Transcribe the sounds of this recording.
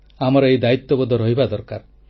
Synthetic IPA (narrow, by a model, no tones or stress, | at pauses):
amɔɾɔejd̪ait̪ːɔbɔd̪ʱɔɾɔɦibad̪ɔɾkaɾ